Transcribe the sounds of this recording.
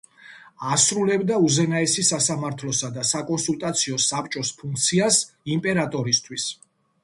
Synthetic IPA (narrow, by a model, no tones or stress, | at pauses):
asɾulɛbd̪auzɛnaɛsisasamaɾt̪ʰlɔsad̪asakʼɔnsulˠt̪ʼat̪sʰiɔsapʰt͡ʃʼɔspʰuŋk̚ʰt̪sʰiasimpʼɛɾat̪ʼɔɾist̪ʰwis